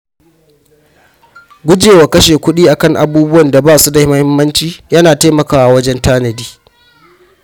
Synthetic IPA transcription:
ɡʷʊ˦d͡ʒeː˨waː˨kɐ˦ʃeː˨kʷʊ˦ɗiː˦ʔa˨kɐ˦˨ŋʔa˨buː˦bʊ˦wɐ˨nda˨baː˦˨su˦da˨hɪ˦mɐ˦hɪ˦mːɐ˦nt͡ʃiː˦jɐ˦naː˨ta˦jmɐ˨kaː˦wa˨wɐ˦d͡ʒɛ˦ntaː˦nɐ˨diː˦

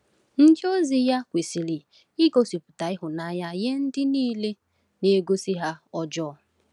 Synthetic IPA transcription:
n̩˦d͡ʒɪ˦o˦zi˨ja˦kʷe˨si˨li˨ | ɪ˦ɡo˦si˨pʊ̥˨ta˨ɪ˦ɦʊ˨na˨˦ja˦je˦n̩˦dɪ˦niː˦le˦ | ne˦ɡo˦si˦ɦa˦ɔ˦d͡ʒɔː˦˨

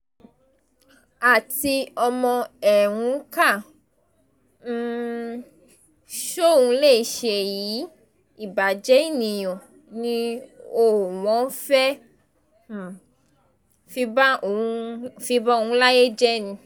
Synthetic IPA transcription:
a˨ti˧ɔ˧mɔ̃˧ɛ˨wũ˨˧˦ka˦˨ | n̩˦ | ʃo˦˨ũ˧le˦˨ʃe˨ji˨˦ | i˦˨ba˨d͡ʒɛ˨˦i˦˨nĩ˨j̃ɔ̃˨ | nĩ˦o˦˨w̃ɔ̃˨˦fɛ˦˨ | fi˧˦ba˦˨˦fi˧˦ba˦o˨ũ˦la˦je˦d͡ʒɛ˦nĩ˧

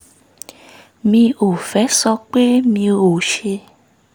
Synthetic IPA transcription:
mĩ˧o˨fɛ˨˦sɔ˧k͡pe˦mĩ˧o˨ʃe˧

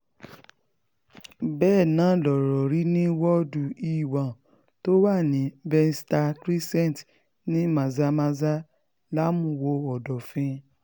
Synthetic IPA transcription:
bɛː˦˨nãː˨˦lɔ˨ɾɔ˨ɾi˦nĩ˦wɔ˦du˨i˦˨wã˨ | to˦wa˦˨nĩ˨˦bɛ˧n˦sta˧kɾi˦sɛ̃˦˨t | nĩ˦mã˨za˧˦mã˧za˦ | la˦mũ˨˧˨wo˧ɔ˨dɔ˨fĩ˧˦

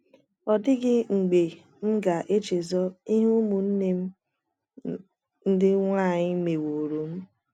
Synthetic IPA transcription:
ɔ˨dɪ˦ɡɪ˦ŋ͡m̩˨ɡ͡be˨ | m̩˦ɡa˨ʔe˦t͡ʃe˨zɔ˦i˦ɦu˦mu˨n̩˦ne˦m̩˦ | n̩˦dɪ˦ŋʷa˦˨ɲɪ˦me˨wo˨ɾo˨m̩˦

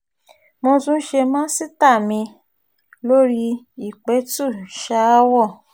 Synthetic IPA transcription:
mõ˧tũ˦ʃe˧mãː˦si˦˨ta˦˨mĩ˧ | lo˦ɾi˦˧ | i˦˨k͡pɛ˨˦tu˦˨ʃa˧˦wɔ˦˨

